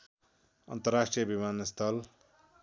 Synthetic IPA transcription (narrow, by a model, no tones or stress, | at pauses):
ʌnt̪ʌrːasʈrijʌbimanst̪ʰʌl